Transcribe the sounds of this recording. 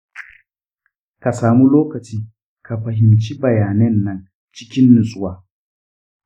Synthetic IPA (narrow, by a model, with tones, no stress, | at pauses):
ka˨saː˨mu˦loː˦kɐ˨t͡ʃiː˦ | kʰa˨ɸɐ˨ɦɪ˨mt͡ʃi˦bɐ˨jaː˨nɛ˦nːɐ˨n | t͡ʃɪ˦kʲɪ˦nːʊ˨sʼʊ˦waː˦